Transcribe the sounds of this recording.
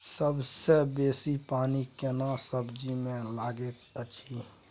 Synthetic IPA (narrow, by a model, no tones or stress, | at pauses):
səbsebeːsipaːnikenasəbd͡ʒimẽlaːɡet̪ət͡ʃʰi